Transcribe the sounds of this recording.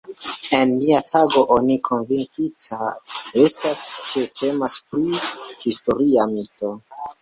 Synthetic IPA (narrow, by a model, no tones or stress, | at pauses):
e̞nliatʰaɡo̞ʔo̞nikʰo̞nviŋkitʰae̞stast͡ʃe̞tʰe̞maspɾihisto̞ɾiamito̞